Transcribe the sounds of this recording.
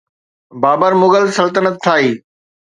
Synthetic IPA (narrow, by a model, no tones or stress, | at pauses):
baːbəɾmʊɠəlsɐlt̪ənət̪t̪ʰːaːiː